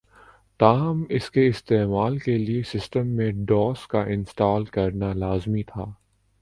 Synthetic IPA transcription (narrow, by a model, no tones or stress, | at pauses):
t̪aːɦɐmɪskeɪst̪eːmaːlkeliesɪsʈəmːẽɖɔːskaʔɪ̃nsʈaːlkɐɾnalaːzmit̪ʰaː